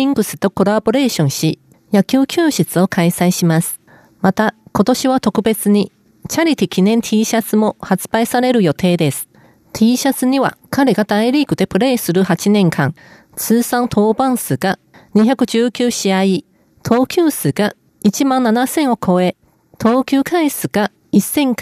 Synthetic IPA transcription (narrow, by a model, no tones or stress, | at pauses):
ĩŋɡɯ̟sɨ̥t̪o̞ko̞ɾabo̞ɾe̞ːɕõ̞ɰ̃ɕi | jakʲɨːkʲɨːɕit͡sɨo̞kʰaisaiɕimasɨ̥ | mat̪ako̞t̪o̞ɕiβat̪o̞kɯ̟be̞t͡sɨɲ̟i | t͡ɕaɾʲit̪ʲikʲinẽ̞nt̪ʲʰiːɕat͡sɨmo̞hat͡sɨ̥b̥aisaɾe̞ɾɯ̟jo̞t̪ʰe̞ːd̪e̞sɨ̥ | t̪ʲʰiːɕat͡sɨɲ̟iβa̰kaɾe̞ɡad̪aiɾʲiːkɯ̟d̪e̞pɯ̟ɾe̞ːsɨɾɯ̟hat͡ɕinẽ̞ŋkʰãŋ | t͡sɨːsãnt̪ʰo̞ːbãɰ̃sɨɡ̥a | ɲ̟içakɯ̟ʑɨːkʲɨːɕiai | t̪ʰo̞ːkʲɨːsɨɡ̥a | it͡ɕimãnːanasẽ̞ɰ̃o̞kʰo̞e̞ | t̪ʰo̞ːkʲɨːkʰaisɨɡ̥a | isːẽ̞ŋk